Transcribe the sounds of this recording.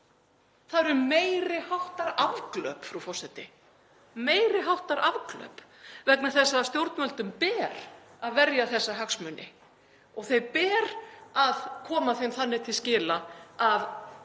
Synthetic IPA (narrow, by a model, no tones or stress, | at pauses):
θaðɾʏɾmeːjɾɪhawht̪aɾavklœ̰ːpfɾufɔ̥sɛt̪ɪ | meːjɾɪɦawht̪aɾʔavklœ̰ːp | vɛknaθɛsːast̪jowɾt̪mœlt̪ʏmpɛːɾ̥aðvɛɾjaθɛsːaɦaksmʏnɪ̰ | ɔɣθejpɛːɾaðkʰɔːmaθejmθanːɪt̪ʰɪlscɪːlaav